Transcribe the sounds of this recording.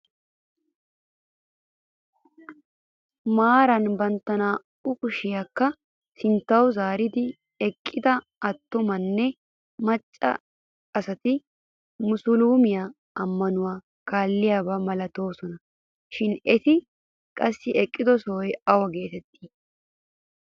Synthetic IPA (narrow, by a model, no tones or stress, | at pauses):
maːɾɐnbɐnt̪ːɐnaː | ʊkʊʃɪjaːkːɐ | sɪnt̪ːɐwzaːɾɪd̪ɪ | ɛkʼːɪd̪ɐ | ɐt̪ːʊmɐnːɛ | mɐt͡ʃʼːɐ̰ | ɐsɐt̪ɪ | mʊsʊluːmɪja | ɐmːɐnʊwaː | kaːlːɪjaːbɐmɐlɐt̪o̞ːsɔnɐ | ʃɪnɛt̪ɪ | kʼɐsːɪʔɛkʼːɪd̪ɔsɔwɔjɐwɐɡe̞ːt̪ɛt̪ːiː